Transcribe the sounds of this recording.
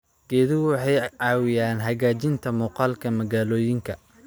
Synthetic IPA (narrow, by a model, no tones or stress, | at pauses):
ɡ̥ɛːðɪwħɑjʕɑːwɪjaːnɦɐɣaːt͡ʃɪnt̪ʰɐmuːqɑːlkʰɐmɐɣaːlɔːjɪŋkʰɐ